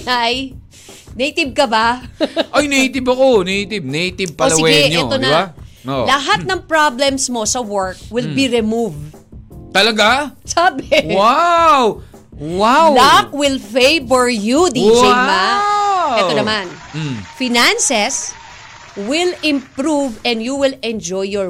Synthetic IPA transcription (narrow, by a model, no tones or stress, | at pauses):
aj | nejt̪ɪb̚kɐbaʔɐjnejt̪ɪbɐkonejt̪ɪb̚nejt̪ɪb̚pɐolɐɪwɛɡjɛʔɲoɛːt̪onɐɪbao̰lɐɦat̪̚nɐŋpɹablɛmsmo̞sɐwɔɹk̚wɪlbiɾɪmuvt̪ɐlɐɡasaːbewaw | wawlak̚wɪlfejbɛɹjud̪id͡ʒejma | ɛːonɐman̩fɪnansɛs | wɪlɪ̃mpɾuvɛ̃nd̪juwɪlɛnd͡ʒɔjːɔ